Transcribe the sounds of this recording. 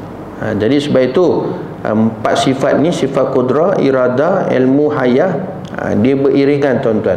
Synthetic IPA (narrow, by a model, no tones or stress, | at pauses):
ã̰d͡ʒadisəbapit̪ṵ | əmpa̰t̪̚sifat̪̚nĩsifat̪̚kudɾaḭɾadaɛ̰lmũɦaja | a̰diəbərʔiɾiŋant̪ant̪uan